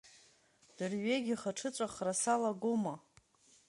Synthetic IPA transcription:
d̥ɨrɥe̞ɡʲiχaʈ͡ʂʰɨt͡sʷʼaχrasalaɡoma

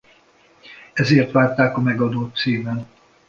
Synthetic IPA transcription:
ɛzeːrt̪ʋaːrt̪aːkɒmɛɡɒd̪oːt̪ːsiːmɛn

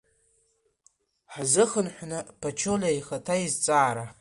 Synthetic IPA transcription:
ħzɨχənħʷnɨpʰat͡ʃʰolʲajχatʰaizt͡sʼaːɾa

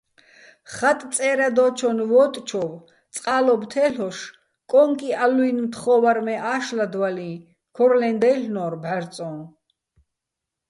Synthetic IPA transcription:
χat̪ʼt͡s̪ʼɛːɾad̪ɔːt͡ʃʰɔnvɔt̪ʼt͡ʃʰɔv | t͡sʼqʼaːlɔbt̪ʰɛːɬɔʃ | kʼɔŋkʼialuinmt̪ʰχɔvaɾmɛʔaːʃlad̪walĩ | kʰɔɾlɛnd̪ɛjɬnɔːɾbɛɾt͡sʼɔ̃n

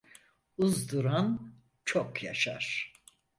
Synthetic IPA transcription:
uzd̪uɾan | t͡ʃʰokjaʃa̰ɾ̥

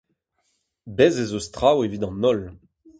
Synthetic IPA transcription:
bɛzezost̪ʁawevidɑ̃nɔl

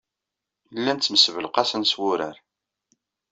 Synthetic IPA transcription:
lːænt͡sːməsvəlqɑsənswʊɾæɾ

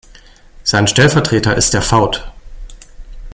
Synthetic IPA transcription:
z̥aɪnʃtɛlfɛɐtʁ̥eːtɐʔɪst̚d̥eːɐfaʊt

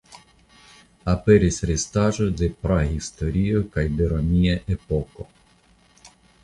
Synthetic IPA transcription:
apeɾisɾest̪aʒod̪epɾaɦist̪oɾiokajd̪eɾomiaʔepoko̰

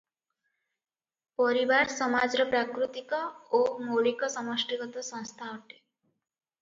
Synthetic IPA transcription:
pɔɾibaɾsɔmad͡ʒɔɾɔpɾakɾut̪ikɔomoɭikɔsɔmɔsʈiɡɔt̪ɔsɔ̃ŋ̃st̪ʰaɔʈe̥

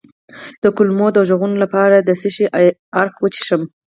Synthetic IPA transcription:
d̪̥əkʊlmod̪əʒəɣunolapɑɾad̪əsiʃiʔaɾkwət͡ʃi̥ʃəm

